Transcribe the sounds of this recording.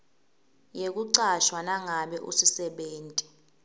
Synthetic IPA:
jek̬ʼuǀaʃwanaŋaɓɛʔusisɛɓeːntʼi

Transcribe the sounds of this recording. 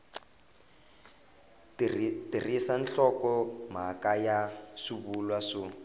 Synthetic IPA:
tirisanɬɔkɔm̤akajasiβulwasʊ

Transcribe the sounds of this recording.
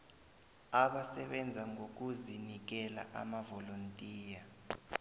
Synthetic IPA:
aɓasɛɓɛnd͡zʱaŋɡʱok̬ʼuzinik̬ɛla̰ʔa̰mavɔlontʼiːja

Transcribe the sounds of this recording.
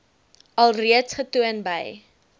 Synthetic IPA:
ɐlˠriətsχətuənbə̰j

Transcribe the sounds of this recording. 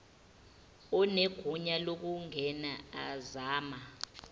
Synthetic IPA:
ɔneɡ̥ʱuɲalok̬uŋɛnaazaːma

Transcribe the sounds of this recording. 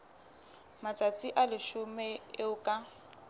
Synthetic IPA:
mat͡sʼat͡sʼiʔalɪʃʊmɛɪʊkʼa

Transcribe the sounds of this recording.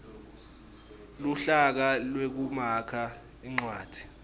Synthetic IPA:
luɬak̬alwek̬umakʰa | iŋ͡ǀwaːd̥ʱi̥

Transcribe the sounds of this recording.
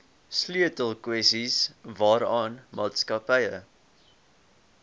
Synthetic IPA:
slyətəlˠkwɛsisvɑːɾɑːnmɑːtskɐpɛjə

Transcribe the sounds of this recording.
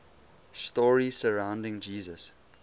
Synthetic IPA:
stɔːɹisəɹãʊ̃ndɪ̃ŋd͡ʒiːzəs

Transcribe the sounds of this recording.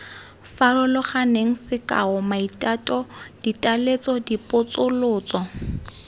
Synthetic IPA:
farʊlʊχaneŋ̩sɪkʼa̰ʊmaitʼatʼɔd̥itʼalet͡sʼɔdipʼʊt͡sʼʊlʊːt͡sʼɔ

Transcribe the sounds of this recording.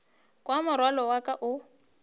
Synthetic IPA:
kʼwamʊrwalɔwakʼaʔʊ

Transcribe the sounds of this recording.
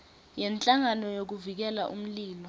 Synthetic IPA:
jɛnt͡ɬʼaŋanɔjok̬uvik̬ɛlaʔṵm̩liːlɔ

